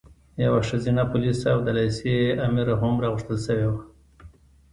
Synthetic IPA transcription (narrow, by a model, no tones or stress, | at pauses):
jawaʂazinapʊlisawd̪alajseamiɾaɦʊmɾɑɣʊʂt̪əlsəwewa